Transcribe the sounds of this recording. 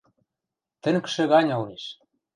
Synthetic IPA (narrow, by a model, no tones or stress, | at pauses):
t̪ə̆ŋkə̥̆ʃɘ̆ɣɑnʲoleʃ